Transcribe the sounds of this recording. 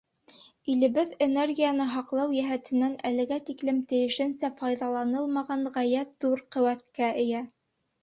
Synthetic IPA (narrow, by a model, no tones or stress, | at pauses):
ilɘ̆βɘðenerɡʲijanɤɦɑqlˠɑwjæɦæt̪ɘ̆nːænælɘ̆ɡæt̪iklɘmt̪ɘ̆jɘ̆ʃɘ̆nsæfɑjðɑlˠɑnɤlˠmɑʁɑɴʁæjæt̪ðuɾqɵ̆wæt̪̚kæɘ̆jæ